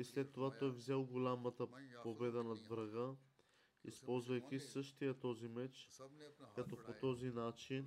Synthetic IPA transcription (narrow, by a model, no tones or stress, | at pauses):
islɛt̪ːovat̪ɔjvzɛlˠɡolʲamɐt̪əpobɛd̪ənɐd̪vɾɐɡə | ḭspɔlˠzvɐjkʲisɤʃt̪ijət̪ɔzimɛt͡ʃ | kat̪ɔpot̪ɔzinat͡ʃin